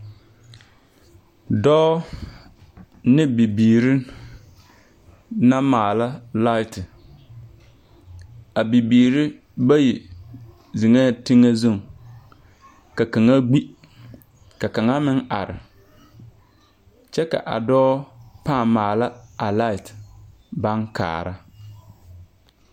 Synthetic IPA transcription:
dɔː˦ | nɪ˦bi˨biː˨ɾɪ˦ | na˦maː˨la˦la˦ɪ˨tɪ˨ | a˨bi˨biː˨ɾɪ˦ | ba˦ji˨ | zɪ˨ŋa˦tɪ˦ŋa˦zo˦˨ŋ | ka˨ka˨ŋa˦ɡ͡bi˦ | ka˨ka˨ŋa˦mɪ˦ŋʔa̰˨ɾɪ̰˨ | t͡ʃɛ˦ka̰˨ʔa̰˨dɔː˦pa˦˨mmːaː˨la˦a˨la˦ɪ˨t | ba˦ŋka̰ː˨ɾa˦

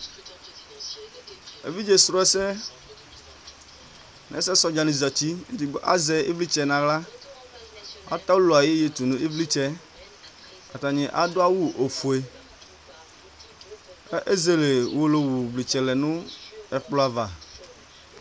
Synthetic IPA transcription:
ḛ˨vi˦d͡ʒe˨sɾo˦ɛ˦sɛ˦ | nɛ̰˦sɛ˦sɔ˨d͡ʒa˨nĩ˨zɔ˨t͡ʃi˦e˦di˨ɡ͡bɔ˦ʔa̰˦zɛ˦ḛ˦vli˦t͡ʃɛ˨nã˨ɣla˦ | a̰˦t̪a˦wu˦lo˨a˨je˦je˨t̪u˨nũ˨e˦vli˦t͡ʃɛ˦ | ka˨t̪a˨ɲɛ̃˨ʔa̰˨d̪o˦a˦wu˦ʔo˨fu˨e˦ | ʔe˦ze˦le˨wo˨lo˨wu˨vli˨t͡ʃɛ˨lɛ˨nũ˦ɛ˨k͡plo˨˦a˨va˨

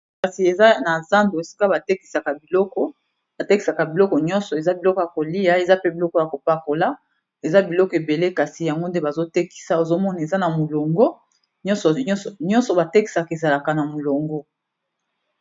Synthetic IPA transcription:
ka˨si˨e˨za˦na˨za˦ndo˨e˨si̥˦ka˦ba˨te˦ki̥˨sa˨ka˨bi˨lɔ˦kɔ˦ | ba˨te˦ki˨sa˨ka˨bi˨lɔ˦kɔ˨ɲɔ̃˦nsɔ˨e˨za˦bi˨lɔ˦kɔ˨ja˨ko˨li˦ja˦e˨za˦pe˦bi˨lɔ˦kɔ˨ja˨ko˨pa˦ko˨la˦ | e˨za˦bi˨lɔ˦kɔ˨e˨be˨le˦ka˨si˨ja˨ŋɡo˦nde˦ba˨zo˦te˦ki̥˨sa˦o˨zo˦mɔ˦na˨e˨za˦na˨mo˨lo˨ŋɡɔ˦ | ɲɔ̃˦nsɔ˨˦˨ɲɔ̃˦nsɔ˨ba˨te˦ki̥˨sa˨ke˨za˨la˨ka˨na˨mo˨lo˨ŋɡɔ˦

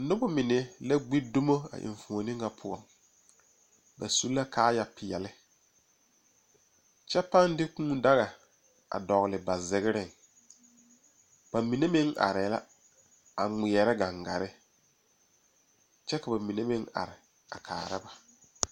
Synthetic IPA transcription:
nʊ˦bɔ˦mɪ˨ne˦la˦ɡ͡bi˦dʊ˦mo˦a̰˨ʔɪ̰˨ɱ˨fu˨o˨nɪ̃˦ŋa˨pʰʊ˦ɔ̰˨m | ba˨su˦lːa˦kʰaː˦ja˨pɪ˨ɛ˨lɪ˦ | t͡ʃɛ˦pa˦ndɪ˦kũː˦da˦ɣa˨ | a̰˨dɔ˨ɣlɪ˨ba˨zɪ˨ɣɪ˦ɾɪ˦˨ŋ | b̥a˨mi˨ne˦mɪ˦ŋʔa̰˨ɾɪ˨˦la̰˦ | a̰˨ŋ͡mɪ˨ɛ˨ɾɛ˦ɡa˨ŋɡa̰˨ɾɪ˦ | t͡ʃɛ˦ka˨ba˨mi˨ne˦mɪ˦ŋa̰˨ɾɪ˨ | a̰˨kʰa̰ː˨ɾɪ˦ba˨

